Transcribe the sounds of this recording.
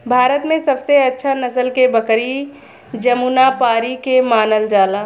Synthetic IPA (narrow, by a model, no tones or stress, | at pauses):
bʱaːɾət̪mẽsɐbseɐtːʃʰanəsəlkebəkɾi | d͡ʒəmunapaːɾikemaːnəld͡ʒaːlaː